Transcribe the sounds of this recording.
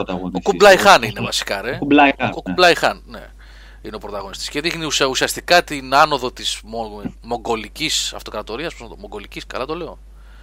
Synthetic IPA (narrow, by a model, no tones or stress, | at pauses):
ot̪ɐɣonokublɐjxɐninevɐsi̥kɐɾeulɐokublɐjxɐnne̞̰ | ineo̞pɾo̞t̪ɐɣonist̪i̥sceðixniususiɐst̪ikɐt̪inɐno̞ðo̞t̪izmomo̞ŋɡo̞licisɐ̰ft̪o̞kɾɐt̪o̞ɾiɐsmut̪omoŋɡo̞liciskɐ̰lɐt̪o̞leo̞̰